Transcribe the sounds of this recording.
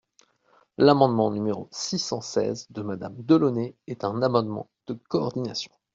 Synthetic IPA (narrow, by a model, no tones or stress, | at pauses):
lamɑ̃d̪mɑ̃nymeʁosisɑ̃sɛ̰zd̪əmad̪amd̪əlɔneɛt̪ɛ̃namɑ̃d̪mɑ̰̃d̪̥əkɔːʁd̪inasjɔ̥̃